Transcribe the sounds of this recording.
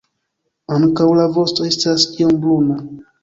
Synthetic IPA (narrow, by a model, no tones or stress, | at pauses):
aŋkawlavo̞stoestaskiombluna